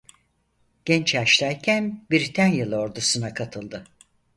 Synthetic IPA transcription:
ɟ̥ɛnt͡ʃaʃlʲˠæjcʰænbiɾt̪ʰænjɯlˠɯo̞ɾd̪usunakʰat̪ʰɯlˠd̪ɯ

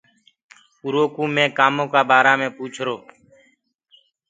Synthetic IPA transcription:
uɾoːkũːmẽːkaːmõːkaːbaːɾaːmẽːpuːt͡ʃʰɾoː

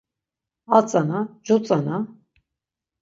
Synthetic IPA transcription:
at͡sʼanad͡ʒut͡sʼana

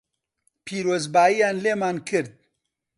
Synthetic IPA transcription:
pʰiːɾoːzbaːijaːnleːmaːnkʰɨɾd̪̚

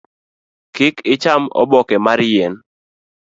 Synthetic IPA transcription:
kɪkɪt͡ʃamɔ̰bɔkɛmaɾjɛn

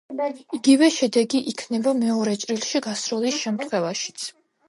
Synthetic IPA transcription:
iɡivɛʃɛd̪ɛɡiʔikʰnɛbamɛɔɾɛt͡ʃʼɾilˠʃiɡasɾulisʃɛmt̪ʰχwɛvaʃi̥t̪sʰ

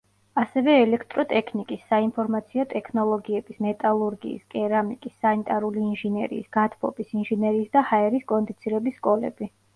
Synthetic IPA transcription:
asɛvɛːlɛkʰt̪ʼɾɔt̪ʼɛkʰnikʼisːainpʰɔɾmat̪sʰiɔt̪ʼɛkʰnɔlˠɔɡiɛb̥ismɛt̪ʼalˠuɾɡḭːskʼɛɾamikʼisːanit̪ʼaɾuliːnʒinɛɾḭːsɡat̪ʰpʰʼɔ̰pisinʒinɛɾiːsd̪ahaɛɾiskʼɔnd̪it̪sʰiɾɛbisːkʼɔlɛ̰bi

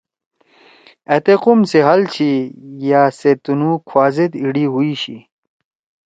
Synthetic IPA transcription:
et̪equmseɦɐlt͡ɕʰijaːset̪unukʰwaːzed̪iɽiɦuiɕḭ

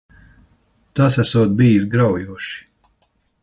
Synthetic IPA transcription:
t̪asæsuɔt̪̚biːisɡɾawjuɔʃi̥

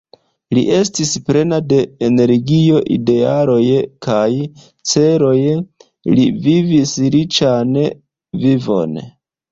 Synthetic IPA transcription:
lḭʔe̞stispɾe̞nade̞ene̞ɾɡio̞ʔḭde̞aɾo̞jkaj | t͡se̞ɾo̞j | livivisɾit͡ʃan | vivo̞̰n

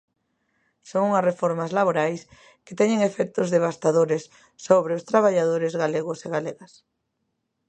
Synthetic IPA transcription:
soŋuŋasrefoɾmazlaβoɾajs | ke̥t̪ɛɲeŋefɛk̚t̪ʊzðeβ̞ast̪aðoɾesː | oβɾeost̪ɾaβaʎaðoɾezɣaleɣʊseɣaleɣɐs

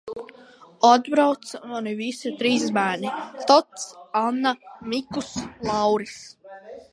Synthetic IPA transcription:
ɔd̪bɾawt̪smanivisit̪ɾiːs̬bæːnit̪ɔt̪sanːamikuslˠɑwɾis

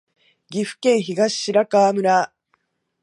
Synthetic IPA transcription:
ɡʲiɸɯ̟̥kẽ̞ɰ̃çiɡaɕi̥ɕiɾakaːmɯ̟ɾa

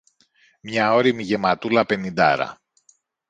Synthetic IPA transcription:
mɲɐo̞ɾimiʝe̞mɐt̪ulɐpe̞nind̪ɐ̰ɾɐ̰

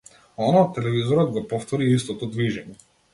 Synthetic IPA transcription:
ɔnaɔt̪ːɛlɛvizɔɾɔd̪ɡɔpɔft̪ɔɾiist̪ɔt̪ɔd̪viʒɛɲɛ

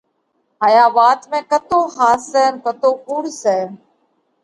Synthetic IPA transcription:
ɦaːjaːʋaːt̪mẽːkət̪oːɦaːsɛːnkət̪oːʔuːɽsɛː

